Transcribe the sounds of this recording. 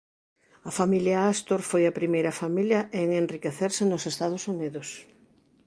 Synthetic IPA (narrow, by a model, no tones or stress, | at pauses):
ɐfamiljaast̪oɾfojɐpɾimejɾɐfamiljɐʔeŋenrikeθeɾsɪnosest̪aðʊsuniðʊs